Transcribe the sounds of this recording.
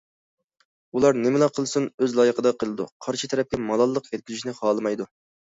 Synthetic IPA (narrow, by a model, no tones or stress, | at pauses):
ulˠɑɾnɪmɪlɑqʰːəlˠsɨnøzlˠɑːjəqʰəd̪ɑqʰəlˠɨd̪ṵqʰɑɾʃɨt̪ʰɛɾɛp̚kʲɛmɑlˠɑlˠːəqjʲɛt̪̚kʲyzyʃinɪχɑːlˠɨmɑjd̪u